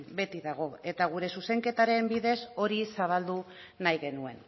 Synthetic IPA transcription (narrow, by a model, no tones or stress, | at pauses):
be̞t̪iðaɣ̞o̞e̞t̪aɣ̞uɾe̞suse̞ŋke̞t̪aɾe̞mbiðe̞so̞ɾisaβ̞ald̪u | najɣe̞nue̞̰n